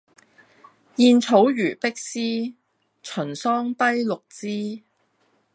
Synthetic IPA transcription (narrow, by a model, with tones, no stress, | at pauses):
jiː˧nt͡sʰo˨˥wjyː˨˩pɪ˥k̚siː˥ | t͡ʃʰɵ˨˩nsɔː˥ŋt̪ɐ˥jlʊ˨k̚t͡siː˥